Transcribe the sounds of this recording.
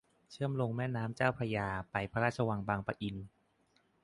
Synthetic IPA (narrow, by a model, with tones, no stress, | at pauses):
t͡ɕʰɯ˥˩əmlo˧ŋmɛː˥˩naː˦˥mt͡ɕaː˥˩wpʰa˧jaː˧pa˧jpʰa˧ɾaː˥˩t͡ɕʰa˧wa˧ŋbaː˧ŋpa˧ʔi˧n